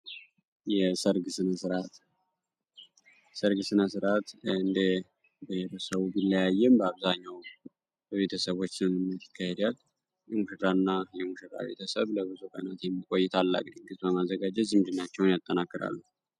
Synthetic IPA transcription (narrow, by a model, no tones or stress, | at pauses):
jɛsəɾɡɨsɨnəsɨɾat̪ | səɾɡɨsɨnasɨɾat̪ɨnd̪e | bəheɾəsəβubilːəjajːɛmbəaβzaɲːaw | bəβe̞t̪ʰəsəβo̞t͡ʃːnənɨmnːai̥kːahed̪al | jɛmɨʃd̪aɨnːajɛmuʃɨd̪ʼa̰βe̞̰t̪ʰəsəβləβɨzukʼə̰nat̪jɛmːikʼo̞jːɪt̪ʰalːa̰ɡʼd̪iɡɨzbəmazəɡad͡ʒɛt̪zɨmd̪ɨnːat͡ʃːɛwnjat̪ʼːənakʼːɨɾa̰lːuh